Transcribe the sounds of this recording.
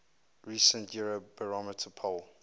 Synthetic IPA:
ɹisə̃ntʰjuɹobəɹɔmətʰəpʰol

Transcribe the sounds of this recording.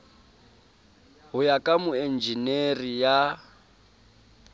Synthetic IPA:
ɦʊjakʼamʊɛnd͡ʒinerija

